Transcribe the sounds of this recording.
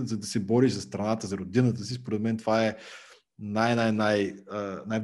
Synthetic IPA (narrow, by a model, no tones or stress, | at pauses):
zɐd̪ɐsɛbɔɾiʃzɐst̪ɾɐnat̪əzɐɾod̪inət̪əsispoɾɛd̪mɛnt̪ovaɛ | najnajnajənajb